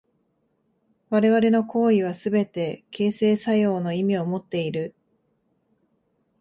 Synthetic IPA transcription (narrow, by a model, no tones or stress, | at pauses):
βaɾe̞βaɾe̞no̞ko̞ːiβ̞asɨbe̞t̪e̞ke̞ːse̞ːsajo̞ːno̞imʲio̞mo̞t̪ːe̞iɾɯ̟